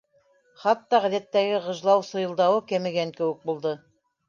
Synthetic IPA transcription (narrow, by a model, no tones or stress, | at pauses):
χɑt̪ːɑʁæðæt̪ːæɡɘʁɤ̆ʒlˠɑwsɤ̆jɤ̆lˠd̪ɑwɤkæmɘ̆ɡæŋkɘ̆wɘk̚bulˠd̪ɤ